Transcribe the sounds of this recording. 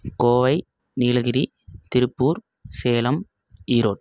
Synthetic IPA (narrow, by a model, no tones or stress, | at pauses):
koːʋɐɪ | niːɭɣɪɾi | t̪ɪɾɯpːuːɾ | seːlɐm | iːɾoːʈ